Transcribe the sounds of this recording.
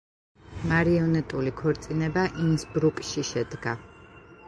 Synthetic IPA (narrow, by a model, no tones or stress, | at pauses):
maɾiɔnɛt̪ʼulikʰɔɾt̪sʼinɛbaʔinsbɾukʼʃiʃɛd̪ɡa